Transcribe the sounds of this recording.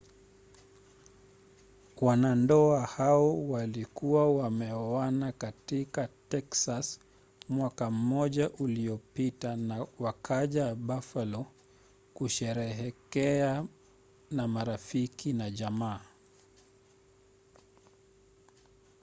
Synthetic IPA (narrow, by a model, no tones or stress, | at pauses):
wanandɔahaɔwalikuwawamɛɔanakatikatɛksas | mwakam̩ːɔʄaʔuliɔpitanawakʰaʄaɓafalɔ | kuʃɛɾɛɦɛkɛa | namaɾafikʰinaʄamaː